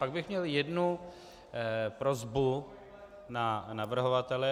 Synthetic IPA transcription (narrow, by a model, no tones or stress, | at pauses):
paɡ̚bɪxmɲɛljɛdnu | pɾozbu | nanavr̩ɦovat̪ɛlɛ